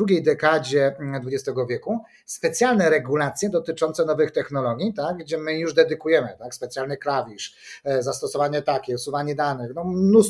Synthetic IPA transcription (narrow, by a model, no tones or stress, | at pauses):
d̪ɾuɡʲejd̪ɛkad͡ʑɛd̪vud͡ʑɛst̪ɛɡɔvʲjɛku | spɛt̪sʲjalnɛɾɛɡulat̪sʲjɛd̪ɔt̪ɘt͡ʂɔnt̪sɛnɔvɘxt̪ɛxnɔlɔɡʲit̪aɡːd͡ʑɛmɘjuʐd̪ɛd̪ɘkujɛmɘt̪akspɛt̪sʲjalnɘklavʲiʂ | zast̪ɔsɔvaɲɛt̪akʲɛusuvaɲɛd̪anɘxnɔmnus